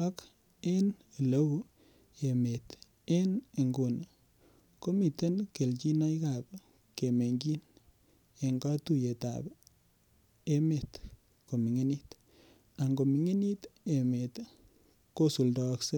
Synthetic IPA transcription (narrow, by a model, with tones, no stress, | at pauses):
a˦k | e˦n˨le˦wu˦ | e˨me˨t | e˦ne˨ŋɡo˨n | ko˦mi˨te˦nke˨lt͡ʃi˦na˦jka˨b | ke˨me˨ŋɡi˦n | e˨ŋɡa˦tu˦je˨ta̰b | e˦me˨t | ko˨mi˨ŋe˦ni˦t | a˨ŋɡo˨mi˨ŋe˦ni˦te˨me˨t | ko˦su˨ldɔ˨kse˦